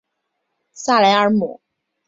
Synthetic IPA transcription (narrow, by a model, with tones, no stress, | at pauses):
sa˥˩la˧˥ɪə˧˥mṵ˨˩˦